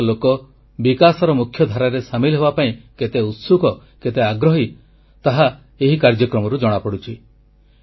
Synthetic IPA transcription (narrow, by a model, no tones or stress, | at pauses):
lokɔ | bikasɔɾɔmukʰːjɔd̪ʱaɾaɾesamilɔɦebapaĩket̪eut̪sukɔ | ket̪eaɡɾɔɦi | t̪aɦa | eɦikaɾd͡ʒɔkɾɔmɔɾud͡ʒɔɽ̃apɔɽut͡ʃʰi